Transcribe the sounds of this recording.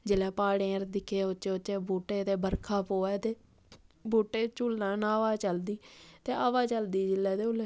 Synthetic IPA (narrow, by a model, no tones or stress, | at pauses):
d͡ʒɪlɛːpaːɽeːɾd̪ɪkʰːeːot͡ʃeːot͡ʃeːbuːʈeːt̪eːbəɾkʰaːpoːɛːt̪eː | buːʈeːt͡ʃulnãːnãːʋaːt͡ʃəld̪iːt̪eːaːʋaːt͡ʃəld̪iːd͡ʒɪlːɛːd̪eːʊlɛː